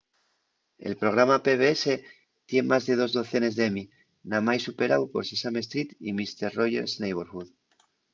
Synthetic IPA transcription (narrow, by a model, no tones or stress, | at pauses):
e̞̰lpɾo̞ɣ̞ɾamape̞βeese | t̪jenmazðe̞ð̞o̞zðo̞θe̞ne̞zðemi | namajsupe̞ɾawpo̞̰ɾsesame̞s̬t̪ɾit̪ḭmist̪e̞ɾro̞ʝe̞̰ɾsnejβeɾxuð